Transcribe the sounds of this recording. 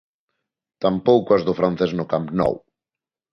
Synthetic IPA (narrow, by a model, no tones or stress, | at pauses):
t̪ampowkʊazðʊfɾanθeznʊkampnɔ̰w